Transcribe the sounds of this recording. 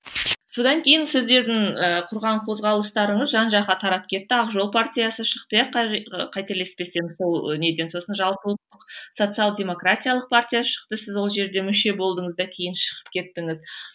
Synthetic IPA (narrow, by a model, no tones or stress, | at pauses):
so̞d̪ɑŋkʲʰe̞jɪnsɪzd̪e̞ɾd̪ɪŋəqʰʊɾʁɑɴqʰo̞zʁɑlˠəst̪ɑɾəɴəzʒɑnʒɑʁɑt̪ʰɑɾɑp̚kʲʰe̞t̪ːɪɑqʒo̞lˠpʰartʲijasəʃəqt̪əjɑqːqʰɑjt̪eɾle̞spe̞se̞mɪzso̞lˠne̞d̪e̞nso̞sənʒɑlˠpəlˠəq̚t̪ːəqso̞t̪sɨalˠdʲe̞mo̞kratʲijalˠəq̚pʰartʲijaʃə̥qt̪əsɪzwo̞lˠʒe̞ɾd̪e̞mʏʃe̞bo̞lˠd̪əɴəzd̪ɑkʲʰe̞jɪnʃə̥ʁə̥pkʲʰe̞t̪ːɪŋɪz